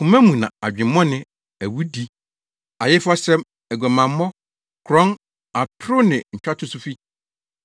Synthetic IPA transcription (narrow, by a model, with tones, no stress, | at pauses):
kʰʊ̃˨mæ̃˦mũ˨nã̰˨a˨d͡ʑᶣɪ̃˨mːɔ̃˦nɪ̃˦ | æ˨wu˦di˦ | a˨jɪ˦fʊ˦a˦sɛ̃˦m | æ˨ɡʷæ˨mã˨mː˦ɔ̃˦ | kʰɾɔ̃˦n | a˨tʰɾʊ˦nɪ̃˨ɲ̩˨t͡ɕᶣa˦tʰʊ˨sʊ˦fi˦